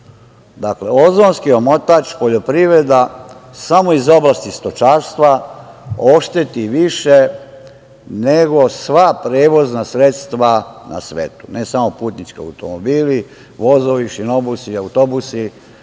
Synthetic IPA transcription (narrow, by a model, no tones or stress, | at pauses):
d̪akle̞o̞zonskio̞mot̪at͡ʃpo̞ʎo̞pɾiʋɾed̪asamo̞izo̞blˠast̪ist̪o̞t͡ʃaɾst̪ʋa | o̞ʃt̪e̞t̪iʋiʃe | neɡo̞sʋapɾeːʋo̞znasɾe̞t̪st̪ʋana̰sʋḛːt̪u̥nesamo̞put̪nit͡ʃkia̰wt̪o̰mobiːli | ʋo̞zoʋiʃino̞busiawt̪obusi